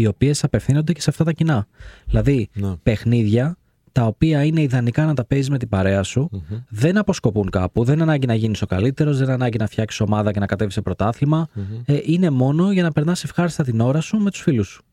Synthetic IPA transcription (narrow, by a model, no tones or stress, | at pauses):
io̞pie̞sɐpe̞fθino̞nd̪e̞ce̞seɐft̪ɐt̪ɐcinɐilɐðipe̞xniðʝɐ | t̪ɐo̞piɐine̞iðɐnikɐnɐt̪ɐpe̞zizme̞t̪ibɐɾe̞ɐsuðe̞nɐpo̞sko̞puŋkɐ̰puðe̞nɐnɐɲɟinɐʝiniso̞kɐ̰lit̪e̞ɾo̞zðenɐnɐɲɟinɐfçɐksi̥so̞mɐðɐce̞nɐkɐt̪e̞visepɾo̞t̪ɐθilimɐʔine̞mo̞no̞ʝɐnɐpe̞ɾnɐsefxɐɾist̪ɐt̪ino̞ɾɐsume̞t̪u̥sfilusu̥